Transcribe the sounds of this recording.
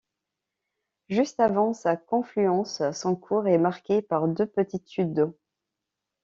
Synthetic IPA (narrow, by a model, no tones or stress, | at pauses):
ʒyst̪avɑ̃sakɔ̃flyɑ̃ssɔ̃kʰuʁɛmaʁkʲepaʁd̪øpət̪it̪syd̪̚d̪o